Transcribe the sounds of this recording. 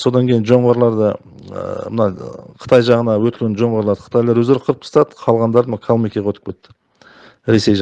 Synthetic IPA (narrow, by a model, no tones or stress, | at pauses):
so̞d̪ɑŋkʲʰejɪnʒo̞ɴʁɑɾlˠɑɾd̪ə̰ | mənɑqʰə̥t̪ʰɑjʒɑʁənɑwɵt̪lʲɡʲenʒo̞ɴʁɑɾlˠɑd̪ə̥qʰə̥t̪ɑjlˠɑɾwɵzd̪eɾqʰəɾəp̚p̪ə̥st̪ɑd̪əqʰɑlˠʁɑnd̪ɑɾd̪əmkʰolˠmijkʲeʁʰɵt̪ʰɪ̥k̚pwʰet̪ːɪ̥ | ɾe̞se̞jʒɑ